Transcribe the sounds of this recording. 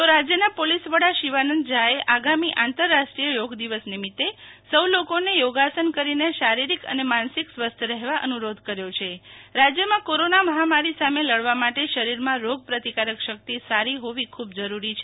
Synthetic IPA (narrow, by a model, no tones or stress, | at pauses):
t̪oɾad͡ʒjənapolisʋəɽaʃiʋanənd̪d͡ʒaeʔaɡamiʔãnt̪əɾːaʃʈɾijəjoɡd̪iʋəsnimit̪ːesəwlokonejoɡasənkəɾineʃaɾiɾikə̰nemansiksʋəst̪ʰəɾɛɦeʋaʔə̰nuɾod̪ʱkəɾjot͡ʃʰeɾad͡ʒjəmãkoɾonaməɦamaɾisameləɭʋamaʈeʃəɾiɾmãɾoɡ̚pɾət̪ikaɾəkʃək̚t̪isaɾiɦoʋikʰub̚d͡ʒəɾuɾit͡ʃʰe